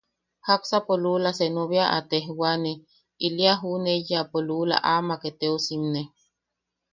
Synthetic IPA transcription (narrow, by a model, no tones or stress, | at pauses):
haksapolulasenuβjaʔa̰t̪eɦwane | iliaɦunejapolula̰ʔamaket̪eosimne